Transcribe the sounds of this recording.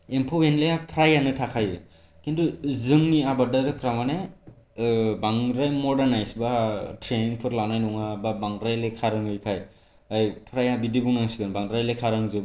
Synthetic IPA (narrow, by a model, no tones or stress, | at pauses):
empʰɔwenleapʰɾajanɯtʰakʰajɯ | kintuzɯŋniabadaɾɯpʰɾamane | baŋɾajmɔdanajsbatʰɾeniŋpʰɯɾlawnajnɔŋababaŋɾajlekʰaɾɯŋɯjkʰaj | ɯjpʰɾajabidibuŋaŋsiɡɯnbaŋɾajlekʰaɾɯŋzɯ